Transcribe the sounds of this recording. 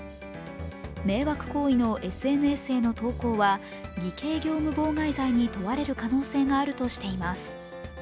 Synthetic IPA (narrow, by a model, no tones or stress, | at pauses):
me̞ːβakɯ̟̥ko̞ːino̞ʔe̞sɨe̞nɯ̟e̞sɨe̞ːno̞t̪o̞ːko̞ːβa | ɡʲike̞ːɡʲo̞ːmɯ̟bo̞ːŋaizaiɲ̟it̪o̞βaɾe̞ɾɯ̟kano̞ːse̞ːŋaːɾɯ̟t̪o̞ɕi̥t̪e̞imasɨ̥